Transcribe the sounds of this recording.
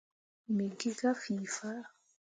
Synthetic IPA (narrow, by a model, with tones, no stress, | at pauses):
mi˨ɡi˦ɡa˦fi˨fa˦